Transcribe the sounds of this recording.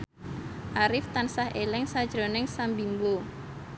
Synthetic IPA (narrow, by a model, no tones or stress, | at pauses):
ʔaɾɪft̪ansahʔelɛŋsad̥ʒ̥ɾonɛŋsambimbo